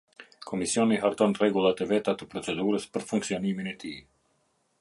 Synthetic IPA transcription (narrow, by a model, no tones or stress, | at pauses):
kʰɔmisiɔniɦaɾt̪ɔnrɛɡulˠat̪ɛvɛt̪at̪əpɾɔt͡sɛd̪uɾəspəɾfuŋksiɔniminɛt̪i